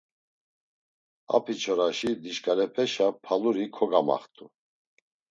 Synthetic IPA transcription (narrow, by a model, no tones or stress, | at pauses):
a̰pʰit͡ʃʰɔɾaʃid̪iʃkʼaɾɛpʰɛʃapʰaluɾikʰɔɡama̰χt̪ʰʼu